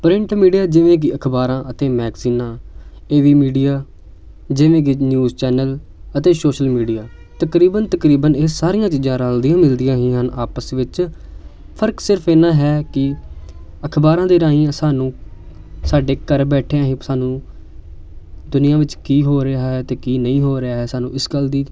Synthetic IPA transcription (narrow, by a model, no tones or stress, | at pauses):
pɾɪ̃ɳʈmiːɖijaːd͡ʒɪʋẽːk̬ɪəkʰbaːɾãːʔət̪eːmɛːɡziːnãːeːʋiːmiːɖijaː | d͡ʒɪʋẽːk̬ɪnjuːzt͡ʃɛːnələt̪eːsoːʃəlmiːɖijaː | t̪əkɾiːbənt̪əkɾiːbəneːsaːɾɪjãːt͡ʃiːd͡ʒãːɾəld̪ɪjãːmɪld̪ɪjãːɦĩːɦənaːpəsʋɪt͡ʃ | pʰəɾksɪɾpʰeːnãːɦɛːkɪ | əkʰbaːɾãːd̪eːɾaːĩːãːsaːnũː | saːɖeːkəɾbɛːʈʰeãːɦĩːsaːnũː | d̪ʊnɪjãːʋɪt͡ʃkiːɦoːɾeaːɦɛːt̪eːkiːnəĩːɦoːɾeaːɦɛːsaːnũːɪsɡəld̪iː